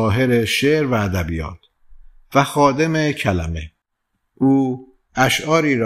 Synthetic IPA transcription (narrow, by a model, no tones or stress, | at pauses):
ɦe̞ɾeʃeɾvæːd̪æbiːjɒ̰ːt̪̚ʰ | væxɒːd̪emecʰælæ̰me | ʔuː | æʃʔɒːɾiːɾ